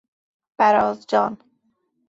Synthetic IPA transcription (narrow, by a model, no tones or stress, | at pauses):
b̥æɾɒːzd͡ʒɒːn